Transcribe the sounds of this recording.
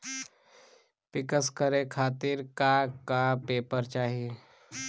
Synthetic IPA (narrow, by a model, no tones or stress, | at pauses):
pɪkəskəɾekʰaːt̪iɾkakapeːpəɾt͡ʃaːɦie